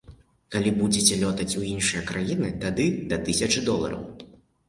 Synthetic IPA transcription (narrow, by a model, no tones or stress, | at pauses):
kalʲibud͡zʲɛt͡sʲɛlʲɔt̪ɐt͡sʲuinʂɨjɐkɾʔajinɨt̪ad̪ɨd̪ɐt̪ɨsʲɐt͡ʂɨd̪ɔlˠɐ̰ɾɐ̰w